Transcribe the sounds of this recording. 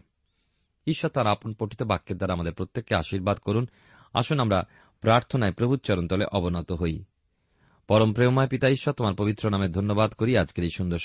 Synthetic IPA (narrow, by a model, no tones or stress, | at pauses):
iʃːɔt̪aɾaponpoʈʰit̪obakːeɾd̪aɾamad̪eɾpɾot̪ːekːeaʃiɾbad̪koɾun | a̰ʃunamɾa | pɾaɾt̪ʰonaepɾobʱut̪̚t͡ɕɔɾont̪ɔleʔɔbonɔt̪oɦoj | pɔɾompɾemomaepit̪aiʃːɔt̪omaɾpobit̪ːɾonamed̪ʱonːobad̪koɾiad͡ʑkeɾiʃund̪oɾʃ